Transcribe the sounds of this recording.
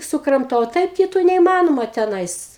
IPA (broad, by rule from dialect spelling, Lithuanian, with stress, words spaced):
sʊkrɐmˈtɐʊ oː ˈtɐɪp kʲɪˈtuː nʲɛiːˈmɑːnoːmɐ tʲɛˈnɐɪs